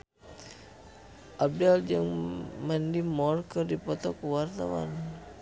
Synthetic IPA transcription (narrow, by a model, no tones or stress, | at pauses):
ʔab̚dald͡ʒəŋmandimɔrkərdipɔt̪ɔkəwart̪awa̰n